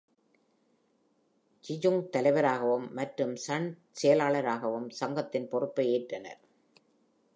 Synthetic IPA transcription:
t͡ʃɪd͡ʒɯŋt̪ɐlɐɪʋɐɾaːɣɐʋɯmːɐʈrɯmsɐɳ | sɛjɐlaːɭɐɾaːɣɐʋɯmsɐŋɡɐt̪ːɪnpɔrɯpːɐɪeːʈrɐnɐ̰ɾ

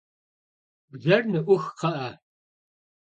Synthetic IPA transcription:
bzɐrnɨʔʷʊxqɐʔɐ

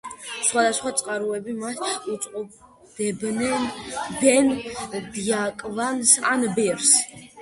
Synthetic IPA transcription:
sχwad̪asχwat̪sʼqʼaɾuɛbimat̪ut̪sʼqʼɔb | d̪ɛbnɛnbɛnd̪iakʼvansanbɛɾs

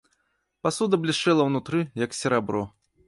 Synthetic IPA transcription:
pasud̪ɐblʲiʂt͡ʂɛlˠɐwnut̪ɾɨjɐksʲɛɾabɾɔ

